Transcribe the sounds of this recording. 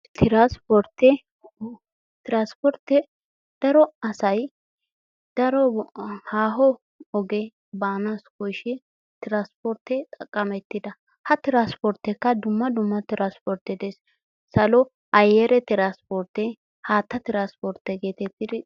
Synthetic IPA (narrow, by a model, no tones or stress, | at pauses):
t̪ʰɪɾaspɔɾt̪ːɛ | t̪ɪɾaːspɔɾt̪ːɛ | d̪̥ɐɾɔɐsɐj | d̪̥ɐɾɔhaːɦɔ | ɔɡɛ | baːnaskɔjʃɛ | t̪ɪɾaːspɔɾt̪ɛt̪ʼɐkʼːɐmɛt̪ːɪd̪ɐ | hɐt̪ɪɾaːspɔɾt̪ːɛkːɐd̪ʊmːɐd̪ʊmːɐt̪ɪɾaspɔɾt̪ːɛd̪es | sɐlɔ | ɐjɛɾɛt̪ɪɾaːspɔɾt̪ːɛ | haːt̪ːɐt̪ɪɾaspɔɾt̪ːɛɡeːt̪ɛt̪ːɪd̪ɪ